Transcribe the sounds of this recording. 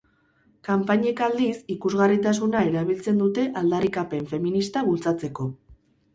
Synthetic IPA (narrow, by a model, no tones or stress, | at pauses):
kampaɲekald̪isikuzɣarit̪asunae̞ɾaβilt͡se̞nd̪ut̪e̞ʔald̪arikape̞ɱfe̞minist̪aβult͡sat͡se̞ko̞